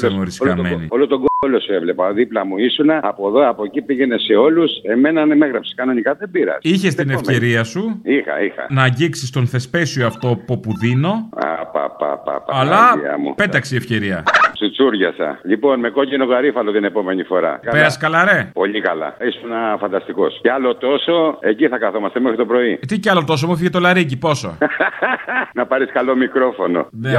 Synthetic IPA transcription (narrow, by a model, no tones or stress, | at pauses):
emoɾisokɐme̞nḭolot̪oɡolosuevle̞pɐðiplɐmuisunɐːpoðoɐpo̞cipiʝe̞ne̞se̞o̞luse̞me̞nɐnemeɣɾɐpsi̥kɐno̞nikɐðebiɾɐ̰siçe̞st̪inefce̞ɾiɐsuixɐ̰ixɐ̰nɐːɟiksist̪onθe̞spe̞sioɐft̪o̞popuðino̞a̰pa̰pa̰pa̰pɐlɐḭɐ̰mṵpett̪ɐkseiefce̞ɾiɐsut͡suɾʝɐsɐ̰ʎipo̞nme̞ko̞cenoɣɐɾifɐlot̪ine̞po̞me̞nifo̞ɾɐ̰kɐpeɾɐskɐlɐɾe̞po̞ʎikɐlɐ̰isunɐfɐnd̪ɐst̪iko̞sceɐlo̞t̪o̞so̞e̞ciθɐkɐθo̞mɐst̪emexɾit̪o̞pɾo̞it̪icɐlot̪o̞s̬omufiʝet̪o̞lɐɾicipo̞so̰ | nɐpɐɾiskɐlo̞mikɾo̞fo̞no̞̰ne